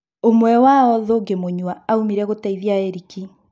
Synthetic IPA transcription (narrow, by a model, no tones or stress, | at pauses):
omwɛwaɔðoɡemoɲwaːumiɾɛɣotaiðiaeɾiki